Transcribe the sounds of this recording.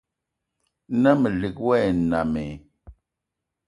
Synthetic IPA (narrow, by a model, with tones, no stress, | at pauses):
nə˦mə˨li˨k̚wɛ˦˨na˨me˨